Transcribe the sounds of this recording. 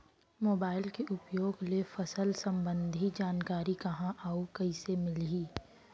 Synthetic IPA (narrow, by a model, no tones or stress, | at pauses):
moːbaːɪlkeʔʊpjoːɡlefɐsəlsɐ̃mbə̃nd̪ʱid͡ʒaːnkaːɾikɐɦãʔaːukɐisemɪliː